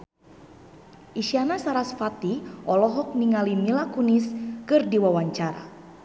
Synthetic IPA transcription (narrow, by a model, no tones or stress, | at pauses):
ʔiʃianasaɾasfat̪iʔɔlɔɦɔk̚niŋalimilakuniskɨrdiwawaɲt͡ʃaɾa̰